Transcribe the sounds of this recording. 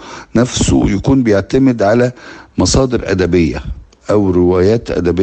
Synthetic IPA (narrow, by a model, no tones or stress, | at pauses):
næfso̰jækuːnbɪjeʕt̪æmɪd̪ʕalæmɑsˤɑːd̪ɪɾʔæ̰d̪æbɪjːæ̰ | ʔæwɾɪwæːjæːt̪ʔæ̰d̪æbɪ